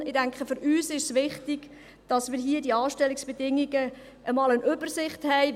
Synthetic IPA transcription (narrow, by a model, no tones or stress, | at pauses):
ɪdæŋkχəfʏɾʔyːsɪʃsʋɪχtɪɡ̥ | d̥ɑsmɪːɾɦiədiɑːʃtɛlːɪksb̥ɛdɪŋiɡə | ʔəmɑːlənʔʏb̥ərsɪχthɛɪ